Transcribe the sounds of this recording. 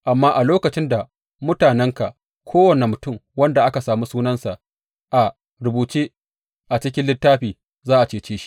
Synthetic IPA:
ʔa˨mːaː˦ʔa˨loː˦kɐ˨t͡ʃɪ˦nda˨ | mʊ˦taː˨nɛ˦ŋka˨ʔ | kʷʰoː˦wɐ˨ne˨mʊ˨tʊ˦˨mwɐ˦nda˨ʔa˦ka˨saː˨muː˦suː˦nɐ˦nsa˨ʔ | ʔa˨ | ɾʊ˨buː˨t͡ʃeː˦ | ʔa˨t͡ʃɪ˦kʲɪ˦nlɪ˦tːaː˦ɸiː˨ | zaː˦ʔa˨t͡ʃeː˦t͡ʃeː˦ʃi̥˦ʔ

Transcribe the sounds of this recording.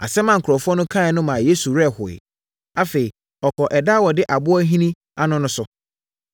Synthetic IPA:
a̰˨sɛ˦mã˨ŋ̩˨kʰʊ˨ɾɔ˨fʊ˦ɔ˦nʊ̃˦kʰã˦˨ɪ˨nʊ̃˦mã˨je˦su˨ɾɛ˦˨hʊ˨ɪ̰˨ | a˦fe˨i˨ | ɔ˨kʰɔ˨ʔɛ˨da˦wɔ˨dɪ˦ʔa˨bʊ˦ɔ˦ɦĩ˦nĩ˦ | a˦nʊ̃˦nʊ̃˦sʊ˦

